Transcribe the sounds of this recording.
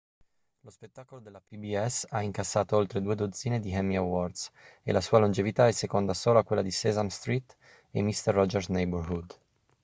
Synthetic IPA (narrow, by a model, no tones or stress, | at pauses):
lospet̪ːaːkolod̪elːapibiɛsaiŋkasːaːt̪oolt̪ɾed̪uːed̪od̪ziːned̪iɦɛmːiawɔrd̪sḛlasuːalond͡ʒevit̪aɛsːekond̪asoːlakwelːad̪isɛzamst̪ɾit̪ | ḛmːist̪ɛrːɔd͡ʒɛrsnejbrhud̪